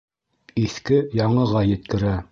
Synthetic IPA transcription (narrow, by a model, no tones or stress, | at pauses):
iθkɘjɑɴɤ̆ʁɑjɘ̆t̪̚kɘ̆ɾæ